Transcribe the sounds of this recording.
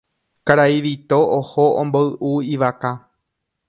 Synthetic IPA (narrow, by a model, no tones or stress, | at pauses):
kaɾaiʋit̪oʔohoʔõmboɨʔuiʋaka